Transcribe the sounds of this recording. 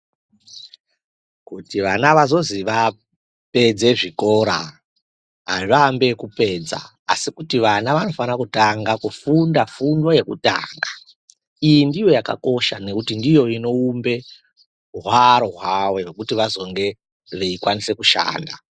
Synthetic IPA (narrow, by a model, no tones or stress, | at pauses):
kutiʋanaʋazo̞ziʋa | pe̞d͡ze̞ʐiko̞ɾa̰ | ɦaʐambe̞kupe̞ːd͡za̰ːsikutiʋanaʋano̞fanakutaŋɡakufundafundwoje̞kuta̰ːŋɡa | ijindijo̞jaka̰ko̞ʃane̞kutindijo̞ino̞umbe̞ | ɦwaɾoɦwawe̞ʐekutiʋazo̞ŋɡe̞ | ʋe̞ikwanise̞kuʃa̰ːnda